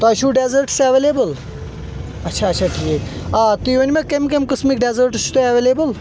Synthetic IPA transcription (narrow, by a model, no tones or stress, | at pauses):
t̪oɐʃuɖezəɾʈsɐʋeːleːbəl | ɐtːʃʰaːtːt͡ʃʰaʈʰiːkat̪iʋɐnimekemkemkəsmik̚ɖezəɾʈsu̥t̪oɐʋeːleːbɨl